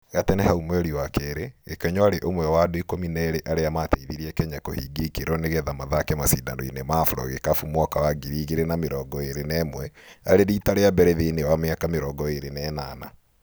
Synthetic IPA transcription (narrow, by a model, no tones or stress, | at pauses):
ɣatɛnehaumwɛɾiwakɛɾeɣekɛɲɔaɾeʔomwɛwaːdoikominɛɾeʔaɾeamateiðiɾiɛkɛɲakohiɡekeɾɔneɣɛðamaðakɛmasiːndanɔinemaːfuɾɔ̰ɣekafumɔkawaɡiɾiːɣeɾenameɾɔːɡɔeɾenɛːmwɛaɾeɾiːtaɾeabɛɾɛðenewameakameɾɔːɡɔeɾenɛːnaːna̰